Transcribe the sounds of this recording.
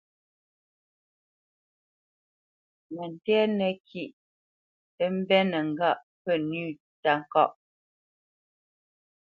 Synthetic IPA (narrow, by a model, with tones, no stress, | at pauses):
mɛ˨n̩˨tɛ˦nɛ˨kʰi˦˨ʔ | ə˦m̩˦bɛ˦nɛ˨ŋ̩˨ɡa˦˨ʔ | pə˦˨nʉː˦˨ | ta˨ŋ̩˨kɔ˦˨ʔ